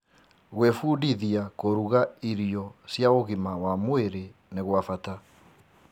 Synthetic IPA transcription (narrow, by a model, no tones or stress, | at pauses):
ɣwefuːdiðiakoɾuɣaiɾiɔsjaoɣimawamweɾeneɣwafata